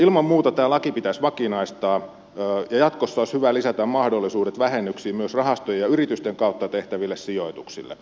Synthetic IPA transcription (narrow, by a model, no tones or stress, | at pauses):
ilmɑmmuːt̪ɑt̪æːlɑkipit̪æsʋɑkinɑist̪ɑː | jɑjɑt̪kosːɑoshyʋælisæt̪æmmɑhdolːisuːdet̪ʋæhenːyksiːmyøsrɑhɑst̪ojejɑyɾrit̪yst̪eŋkɑˑut̪ːɑt̪eht̪æʋilːessijoit̪uksḭlːḛ